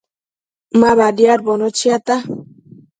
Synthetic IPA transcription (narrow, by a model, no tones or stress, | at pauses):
maβadjaɾbonot͡ʃiat̪a